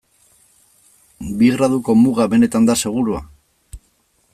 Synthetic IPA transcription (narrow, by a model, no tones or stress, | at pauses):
biɣɾaðuko̞muɣaβe̞ne̞t̪and̪ase̞ɣ̞uɾua̰